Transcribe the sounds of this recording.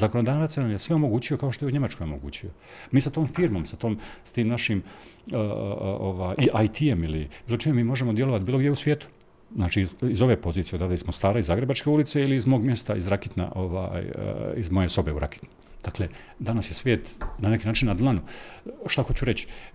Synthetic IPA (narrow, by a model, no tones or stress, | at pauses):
zakonod̪aːʋat̪senamjesʋeomo̞ɡuːt͡ɕio̞kaoʃt̪o̞jeuɲe̞mat͡ʃko̞jo̞mo̞ɡṵːt͡ɕio̞ | miːsat̪o̞ːmfiɾmo̞msat̪oːmst̪iːmnaʃim̰ | oʋaːjʔiʔajt̪ʰiemilibiːlˠot͡ʃimemiːmo̞ʒemod̪jeloʋat̪̚biːlo̞ɡd̪jeusʋjeːt̪u̥ | znaːt͡ʃiːzo̞ʋe̞po̞ziːt̪ied̪aːʋd̪eizmost̪aːɾaizaːɡɾebat͡ʃke̞ulit̪se̞iliːzmoːɡmje̞st̪aḭzɾaket̪na̰ʔoʋa̰j̰ḭzmo̞je̞so̞beuɾa̰ke̥t̪nu | d̪akle̞ | d̪anasjesʋjeːt̪nane̞kiːnaːt͡ʃinːad̪lˠanuʃt̪axo̞t͡ɕuɾe̞t͡ɕi̥